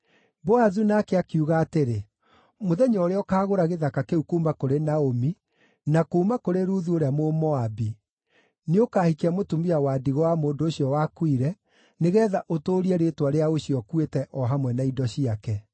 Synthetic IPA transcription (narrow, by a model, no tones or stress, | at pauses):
bɔaðunakeakuɣaːteɾe | moðɛɲɔɾeɔkaːɣoɾaɣeðakakeukomakoɾenaomi | nakoumakoɾeɾuːðuoɾeamomɔabi | neokahikeamotumiawaːdiɣɔwamoːndoːɕjɔwakwiɾɛ | neɣɛːðaʔotoːɾiɛɾetwaɾeaoɕiɔkwetɛʔɔɦamwɛnaidɔɕiakɛ